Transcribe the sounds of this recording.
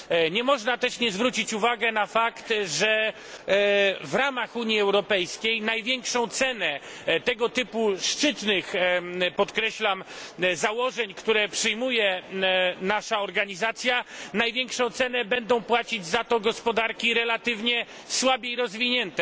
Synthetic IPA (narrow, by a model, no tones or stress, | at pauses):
ɲɛmɔʐnat̪ɛʂɲɛzvɾut͡ɕit͡ɕuvaɡɛnafakt̪ʐɛ | vɾamaxuɲiɛwɾɔpɛjskʲejnajvʲjɛŋkʂɔ̃w̃t̪sɛnɛ | t̪ɛɡɔt̪ɘpuʂt͡ʂɘt̪nɘxpɔt̪kɾɛɕlamzawɔʐɛɲkt̪uɾɛpʂɨjmujɛ | naʂaɔɾɡaɲizat̪sʲjanajvʲjɛŋkʂɔ̃w̃t̪sɛnɛbɛnd̪ɔ̃w̃pwat͡ɕid͡ʑzat̪ɔɡɔspɔd̪aɾkʲiɾɛlat̪ɘvɲɛ | swabʲeiɾɔzvʲiɲɛnt̪ɛ